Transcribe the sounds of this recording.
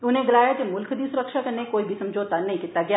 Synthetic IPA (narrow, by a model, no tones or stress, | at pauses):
ʊnẽɡɐlaːjad͡ʒomʊlkʰd̪isʊɾəkʃakɐnekoːibʱisɐ̃md͡ʒoːt̪anɐɦĩkɪt̪ːaɡɐjaː